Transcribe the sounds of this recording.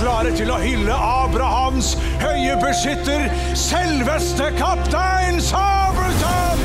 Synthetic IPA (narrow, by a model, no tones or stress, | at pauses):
ɾɑːɾət̪ɪlɔhʏlːəʔɑːbɾɑhɑms | hœʏəbʉʂʏt̪ːəɾ | sɛlʋəst̪əkʰɑpt̪ʰæɪnsɑː | bət̪ʰɑ